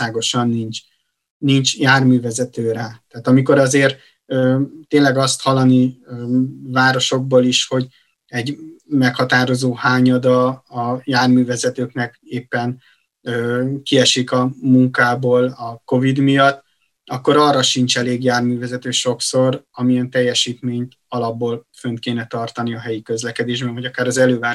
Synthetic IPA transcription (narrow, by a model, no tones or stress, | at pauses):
aːɡo̞ʃɒnːint͡ʃ | nint͡ʃjaːrmyːvɛzɛt̪øːɾat̪aːt̪ɒmiko̞ɾɒzeːr | øːt̪eːnlɛɡɒst̪hɒlːɒniøvaːɾo̞ʃo̞ɡ̚boːliʃho̞ɟ | ɛɟmɛkhɒt̪aːɾo̞zoːhaːɲɒd̪ɒːjaːrmyːvɛzɛt̪øːknɛkeːpːɛn | øːkiɛʃikɒmuŋkaːboːlɒko̞vid̪mijɒt̪ː | ɒkːo̞ɾɒrːɒʃint͡ʃɛleːɡjaːrmyːvɛzɛt̪øːʃo̞kso̞ɾɒmiɛnt̪ɛjːɛʃiːt̪meːɲt̪ | ɒlɒbːoːlfønt̪̚keːnɛt̪ɒrt̪ɒniɒɦɛjikø̞zlɛkɛd̪eːʒbɛnvɒɟɒkaːɾɒzɛløːvaː